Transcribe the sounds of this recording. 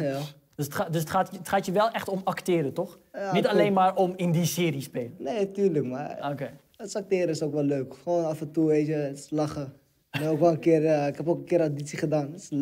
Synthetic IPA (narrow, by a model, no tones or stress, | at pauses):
ja | døsətadøs̬ətχaːtəətχaːtjəʋɛlˠʔɛxtɔmaktɪːɾətɔx | janitalejnmaːrʔɔmɪndisɪːɾispeːləneːtyːrləkma̰oke | ətsak̚tɪːɾəɪsokʋɛløːkχʋoːnafəntueːt͡ʃətslaχə | neoːkʋɛlˠə̃nkɪərɪkɛpokənkɪːəɾaditsiχədaːns